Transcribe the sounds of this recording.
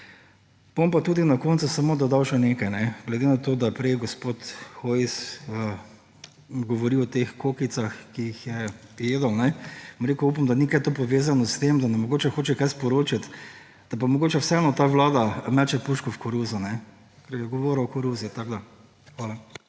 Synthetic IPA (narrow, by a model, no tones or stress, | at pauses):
bompat̪uːd̪inakoːnt̪susɐmoːd̪ɔd̪awʃɛneːkajnɛɡlɛd̪enat̪oːd̪apɾɛjɡɔspoːt̪xoisə | ɡɔʋɔɾiɔt̪exkokit̪saxkiixjɛjeːd̪ɔwnɛmɾekuupamd̪anikajt̪opɔʋeːzanɔst̪emd̪anɛmɔɡoːt͡ʃɛxoːt͡ʃɛkajspɔɾoːt͡ʃat̪ | d̪̥ɐp̬amɔɡoːt͡ʃɛwsɛɛnɔt̪aːʋlaːd̪amat͡ʃɛpuʃkɔfkɔɾuzʊnɛ | kɐɾjɛɡɔʋoːɾɐɔkɔɾuzit̪aɡd̪a | xʋaːla